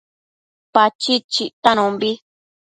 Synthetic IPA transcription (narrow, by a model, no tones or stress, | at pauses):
pat͡ʃit͡ʃit̪anũmbi